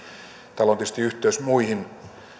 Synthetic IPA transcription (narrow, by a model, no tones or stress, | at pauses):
t̪ɑlont̪est̪iyht̪ˑøysmuihin